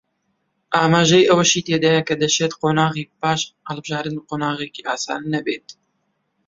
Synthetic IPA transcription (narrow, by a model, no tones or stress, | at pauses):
ʔaːmaːʒɛjʔɛwɛʃiːt̪eːd̪ɑjɛkɛd̪ɛʃɛt̪qoːnaːɣiːpaːʃhɛlbɨʒɑːɾɨnqoːnaːɣekiːʔaːsa̰ːninɛbeːt̪